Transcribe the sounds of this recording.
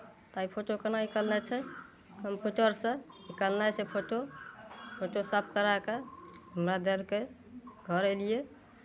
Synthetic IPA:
t̪aipʰoʈokənaikəlnɛt͡ʃʰɛ | kəmpuʈəɾsə̃ikəlnat͡ʃʰɛpʰoʈo | pʰoʈosəp̚ʰkəɾakeɦəmɾad̪elke | ɡʱəɾelije

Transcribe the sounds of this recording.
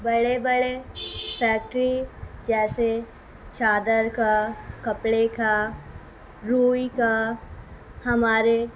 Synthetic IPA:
bɐɽebəɽefɛːk̚ʈɾid͡ʒɛːse | t͡ʃʰaːd̪əɾkakɐpɽeka | ɾuːika | hɐmaːɾe

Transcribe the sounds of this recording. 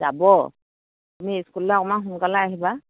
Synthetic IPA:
za̰bɔ | tumiskulːakɔmaɦuŋkalaaɦiba

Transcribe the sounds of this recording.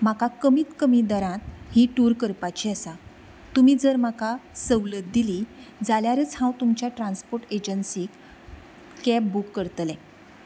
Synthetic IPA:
makakəmiːt̪kəmid̪əɾãt̪̚hiʈuɾkəɾpat͡ɕiasa | t̪umiːd͡zəɾmakasəwlət̪̚d̪ilid͡zaljaɾət͡sɦãwt̪umt͡ɕjaʈɾãnspoɾʈed͡ʑənsiːk | kɛp̚bukːəɾt̪lɛ̃

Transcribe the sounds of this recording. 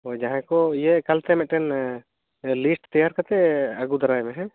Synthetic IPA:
od͡ʒaɦãkojekɐlt̪ʰɛmɛ̃ʔʈɛn | lisʈt̪ɐjaɾkɐɾt̪ɛɐɡud̪ɐɾajmẽɦɛ̃

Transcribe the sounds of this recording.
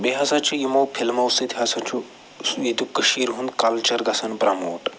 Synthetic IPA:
beɦɐsɐt͡ʃʰujimowpʰilmɐwsit̪ʰɦɐsɐt͡ʃʰu | id̪ukəʃiːɾɦund̪kɐlt͡ʃɐɾɡɐsɐnbɾɐmoːʈ

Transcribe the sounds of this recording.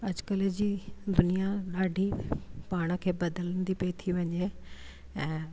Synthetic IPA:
ɐd͡ʑkəled͡ʑiːd̪ʊnijaɗaːɖʱipaːɽ̃ə̆kʰeːbɐd̪ələnd̪ipɐit̪ʰiʋɐɲe | ɛ̃ː

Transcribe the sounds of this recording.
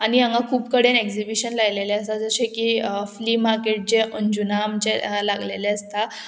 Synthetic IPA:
aɽ̃iãŋɡakʰuːpkəɽeneksibiɕənlajleleəst̪ad͡zəɕẽkifliːmaɾkeʈ̚t͡ɕeəɲd͡ʑunaːmt͡ɕelaɡleleəst̪a

